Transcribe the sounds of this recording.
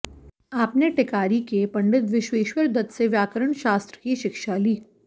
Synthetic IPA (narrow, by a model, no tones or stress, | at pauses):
aːpneʈɪkaːɾikepɐ̃ɳɖɪt̪ʋɪʃʋeːʃwəɾd̪ɐt̪seʋjaːkəɾəɳ̃ʃaːst̪ɾə̥kiʃɪkʃaliː